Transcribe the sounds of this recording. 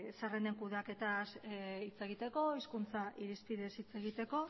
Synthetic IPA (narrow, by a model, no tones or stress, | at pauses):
sareneŋkuðake̞t̪asit͡se̞ɣ̞it̪e̞ko̞iskunt͡saʔiɾispiðesit͡se̞ɣit̪e̞ko̞